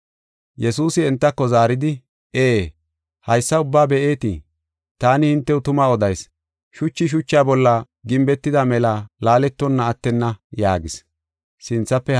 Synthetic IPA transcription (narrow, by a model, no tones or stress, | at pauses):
jɛsuːsɪɛnt̪ːɐkːɔzaːɾɪd̪ɪ | eː | hɐjsːɐʊbːaːbɛʔe̞ːt̪ɪ̰ | t̪aːnɪhɪnt̪ːɛʊt̪ʊmaɔd̪ɐjs | ʃʊt͡ʃːɪʃ̬ʊt͡ʃːɪaːbɔlːɐ | ɡɪmbɛt̪ːɪd̪ɐmɛlɐlaːlɛt̪ːɔnːɐːt̪ːɛnːɐjaːɡɪs | sɪnt͡sːɐpːɛ